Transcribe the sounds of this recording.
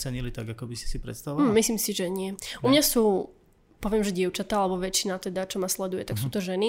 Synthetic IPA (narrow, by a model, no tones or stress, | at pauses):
sɛɲilit̪aɡakɔbisi̥sipɾɛ̰t̪st̪aʋɔmislimsiʒɛɲɪɛʔumɲasuː | pɔʋɪɛmʒɛɟɪɛʊt͡ʃat̪aːalɛbɔʋɛt͡ʃːinat̪ɛd̪at͡ʃɔmaslɛd̪ujɛt̪aksuːt̪ɔʒɛni